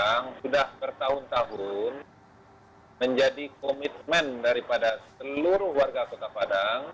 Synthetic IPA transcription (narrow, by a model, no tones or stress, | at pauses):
ŋsudahbərt̪aɦʊnt̪aɦʊn | məɲd͡ʒadikomit̪̚mɛndaɾipadasəlluɾʊhwarɡakot̪apadaŋ